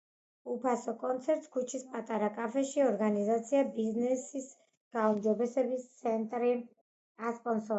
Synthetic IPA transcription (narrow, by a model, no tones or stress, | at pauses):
upʰasɔkʼɔnt̪sʰɛɾt̪ʼskʰut͡ʃʰispʼat̪ʼaɾakʼafɛʃiɔɾɡanizat̪sʰiabiznɛsis | ɡ̥aumd͡ʒɔbɛsɛbist̪sʰɛnt̪ʼɾi | aspʼɔnsɔ